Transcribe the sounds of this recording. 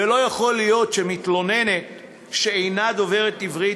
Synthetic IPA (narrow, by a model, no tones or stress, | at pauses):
elo̞jaχo̞lijo̞tʃemit̪lo̞ne̞ne̞t̪̚ | ʃeejnad̪o̞ve̞ʁet̪ivʁi